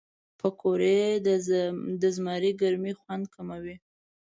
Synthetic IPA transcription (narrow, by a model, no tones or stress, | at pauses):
pəkʰoɾe | d̪əzmɑɾiɡaɾmixwand̪̚kʰamawi